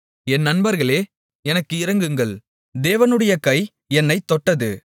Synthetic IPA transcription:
ɛnːɐnbɐɾɣɐɭeː | ɛnɐkːɯɪɾɐŋɡɯŋɡɐɭ | d̪eːʋɐnɯɽɐjɐkɐɪ | ɛnːɐɪt̪ːɔʈːɐðɯ

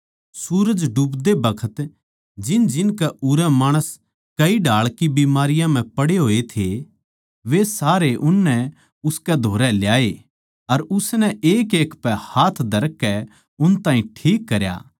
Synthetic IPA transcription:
suːɾəd͡ʒɖupd̪ebɐkʰət̪ | d͡ʒɪnd͡ʒɪnkɛʔʊɾɛmaːɽ̃əs | kɐiɖʱaːɭkibimaːɾɪjãm̤ɛ̃pɐɽeɦoːet̪ʰe | ʋesaːɾeʔʊnːɛ | ʊskɛd̪ʱoːɾɛljaːe | ɐɾʊsnɛeːkeːkpɛhaːt̪ʰd̪ʱɐɾkːɛ | ʊnt̪ãːĩʈʰiːkːɐɾja̰ː

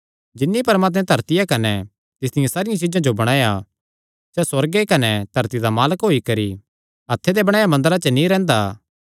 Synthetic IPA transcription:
d͡ʒɪnːipɐɾmaːt̪̬mɛ̃t̪ɐɾt̪ɪjakɐnɛ | t̪ɪsd̪ɪjãsaːɾɪjãt͡ʃɪd͡ʒãd͡ʒobɐɽ̃aːja | sɛswɐɾɡekɐnɛt̪ɐɾt̪id̪amaːləkɦoːikɐɾi | ɐt̪ʰːed̪ebɐɽ̃aːjamɐ̃nd̪əɾat͡ʃənĩɾɛ̃ːnd̪aː

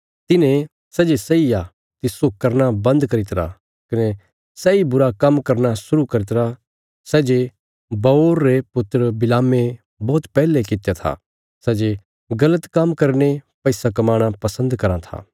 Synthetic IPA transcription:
t̪ɪnẽ | sɛd͡ʒesɐija | t̪ɪsokɐɾnabɐ̃nd̪kɐɾɪt̪ɾa̰ | kɪne | sɛibʊɾakɐmkɐɾnasʊɾukɐɾɪt̪ɾa | sɛːd͡ʒe | bɐoːɾːepʊt̪ːɾəbɪlaːmːẽ | bɔːt̪pɛːlekɪt̪jat̪ʰa̰ | sɛːd͡ʒe | ɡɐlət̪kɐmkɐɾnepɛɪsakɐmaːɽ̃apɐsə̃nd̪kɐɾãt̪ʰa̰ː

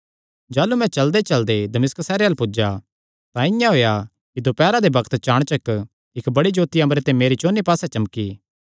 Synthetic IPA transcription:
d͡ʒaːlumɛ̃t͡ʃɐld̪et͡ʃɐld̪ed̪ɐmɪsksɛːɾeɐlpʊd͡ʒa | t̪ãɪ̃jãɦoːja | kid̪opɛːɾad̪ebɐkʰt̪t͡ʃaːɽ̃t͡ʃɐk | ɪkbɐɽid͡ʒoːt̪iɐ̃mɾet̪ẽmeːɾit͡ʃoːnːipaːsɛt͡ʃɐmki

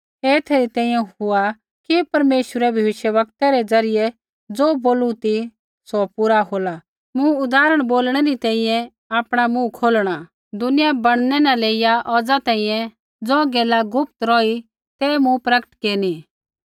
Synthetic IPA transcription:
eːt̪ʰeːɾit̪ɛ̃ːĩjɛ̃ɦʊa | kipɐɾmeːʃwəɾɛbʱjɐʋɪʃjəʋɐk̚t̪aɾɛd͡zɐɾɪjɛ | d͡zoːboːlũt̪i | sɔpuɾaɦoːla | mʊ̃ʊd̪aːɾəɽ̃boːlɽ̃ɛɾit̪ɛ̃ːĩjɛ̃ | aːpɽ̃amũkʰoːlɽ̃a | d̪ʊnɪjabɐɽ̃nɛnaleːɪjaʔɔːd͡zat̪ɛ̃ːĩjɛ̃ | d͡zɔ̃ːɡeːlaɡʊp̚t̪ɾɔi | t̪ɛmũpɾɐkə̥ʈkeːni

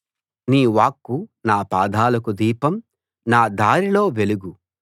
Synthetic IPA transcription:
niːʋaːkːunaːpaːd̪ʱaːlɐkud̪iːpɐm | naːd̪aːɾilo̞ːʋe̞luɡu

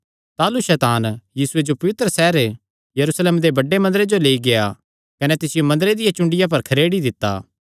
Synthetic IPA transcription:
t̪aːluʃɛːt̪aːnjiːsʊed͡ʒopɐʋɪt̪ɾəsɛːɾe | jɐɾusleːmd̪ebɐɖːemɐ̃nd̪əɾed͡ʒoleːiɡeja | kɐnɛt̪ɪsɪjomɐ̃nd̪ɾed̪ɪjãt͡ʃʊ̃ɳɖɪjãp̬ɐɾkʰɐɾeːɽid̪ɪt̪ːa̰ː

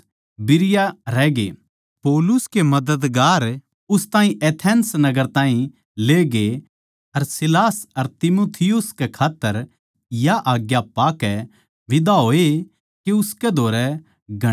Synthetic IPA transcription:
bɪɾɪjaɾɛːɡḛː | poːlʊskemɐd̪əd̪ɡaːɾ | ʊst̪ãːĩʔeːt̪ʰɛːnsnɐɡəɾt̪ãːĩ | leːɡe | ɐɾsɪlaːsɐɾt̪ɪmoːt̪ʰɪjʊskekʰaːt̪ːəɾ | jaʔaːɡjapaːkɛ | ʋɪd̪aɦoːe | kiʊskɛd̪ʱoːɾɛ | ɡʱɐ

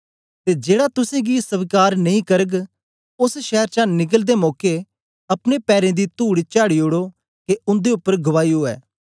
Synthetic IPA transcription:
t̪eːd͡ʒeːɽat̪ʊsẽɡisəʋkaːɾnɐĩkəɾəɡ | ʊsʃɛːɾt͡ʃãːnɪɡ̬əld̪eːmɔːke | ɐpñepɛːɾẽd̪iːt̪uːɽit͡ʃaːɽiʊɽo | keʊnd̪eʊpːəɾɡəʋaːiɦoːɛ̰ː

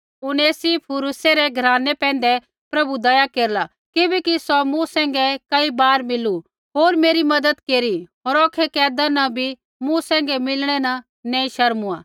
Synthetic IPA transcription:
ʊneːsipʰʊɾuseɾɛɡʱɐɾaːnɛpɛ̃ːn̆d̪ɛ | pɾɐbud̪ɐjakeːɾla | kɪbɛkisɔmũsɛ̃ːŋɡɛkɐibaːɾmɪlu | ɦoːɾmeːɾimɐd̪əd̪keːɾiɦoːɾɔːkʰːɛkɛːd̪anɐbʱi | mũsɛ̃ːŋɡɛmɪlɽ̃ɛnɐ | nɛ̃ːĩʃɐɾmuã̰ː

